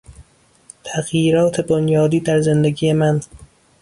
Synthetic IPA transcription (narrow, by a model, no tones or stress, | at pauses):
t̪ʰæɣjiːɾɒːt̪ʰebonjɒːd̪iːd̪æɾze̞nd̪eɡiːjemæn